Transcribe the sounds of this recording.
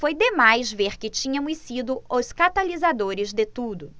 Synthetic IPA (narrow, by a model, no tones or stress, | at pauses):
fojd̪emajzveɾkɪt͡ʃĩɲɐ̃mʊssid̪ʊoskat̪alizad̪oɾɪzd̪ɪt̪ud̪ʊ